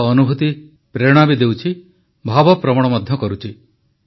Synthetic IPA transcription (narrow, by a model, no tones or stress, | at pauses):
ɔnubʱut̪i | pɾeɽ̃abid̪ewt͡ʃʰi | bʱabɔpɾɔmɔɽ̃ɔmɔd̪ʱjɔkɔɾut͡ʃʰi